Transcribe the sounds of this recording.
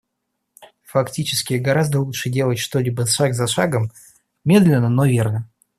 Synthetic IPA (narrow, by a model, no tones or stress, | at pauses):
fɐktʲit͡ɕɪskʲɪɡɐɾazd̪əlˠutʂɨdʲe̞lˠətʲʂt̪o̞lʲibəʂaɡzɐʂaɡəm | mʲe̞d̪lʲɪnːənovʲe̞rnə